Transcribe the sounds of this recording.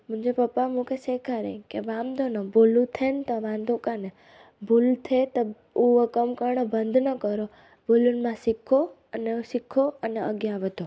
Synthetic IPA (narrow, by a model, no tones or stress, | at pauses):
m̤ə̃ɲd͡ʒepəpːamũkesekʰaɾḛkeʋamd̪ʱonobolũt̪ʰent̪əʋãnd̪okane | bʱult̪ʰet̪ɔ | uʋəkəmkəɾɳəbənd̪ʱnəkəɾo | bʱolunmãsikʰo | ənesikʰoəneəɡjaʋəd̪o